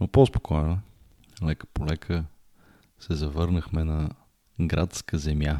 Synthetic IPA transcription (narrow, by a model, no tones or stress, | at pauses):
nopospo̥kʰɔjnə | lɛkə̥polɛkʰə | sɛzɐvɤɾnəxmɛnɐ | ɡɾat̪skəzɛmja